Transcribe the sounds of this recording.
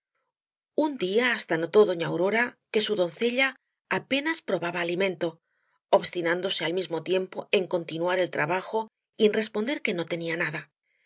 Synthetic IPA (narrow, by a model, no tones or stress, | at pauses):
und̪iaːst̪ano̞t̪o̞ðo̞ɲawɾo̞ɾake̞suðo̞nθe̞ʎaː | pe̞naspɾo̞βaβaːlimẽ̞nt̪o̞ | oβst̪inãnd̪o̞se̞almizmo̞t̪je̞mpo̞e̞ŋko̞nt̪inwaɾe̞lt̪ɾaβaxo̞ | ie̞nre̞spo̞nd̪e̞ɾke̞no̞t̪e̞nianaða